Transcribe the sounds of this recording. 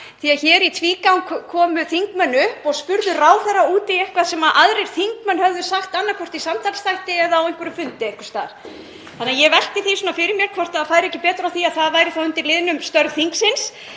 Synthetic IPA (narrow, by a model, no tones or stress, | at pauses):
θiaçɛːɾit̪ʰviːkawnkʰkʰɔːmʏθiŋkmœnːʏhpɔɣspʏɾðʏraːwθɛrːauːt̪ɪɛhkvasɛmaʔaðɾejɾ̥θiŋkmœnhœvðʏsaxt̪anːakʰvɔr̥t̪isamt̪ʰal̥sθajht̪ɪɛðaːwejŋ̥kvʏɾʏmfʏnt̪ɪɛjŋkʏ̥st̪a̰ːɾ̥ | θanːajɛvɛl̥t̪ɪθisɔnafɪɾɪɾmjɛɾ̥kʰvɔr̥t̪aðfaːjɾɪɛcːɪpɛːt̪ɾawθiaðθaðvaːjɾɪθawʏnt̪ɪɾlɪðnʏmst̪œɾɣθiŋksɪns